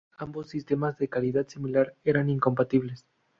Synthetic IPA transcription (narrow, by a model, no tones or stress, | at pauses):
ambo̞sːist̪e̞mazðe̞kaliðaðsimilaɾe̞ɾaniŋko̞mpat̪iβ̞les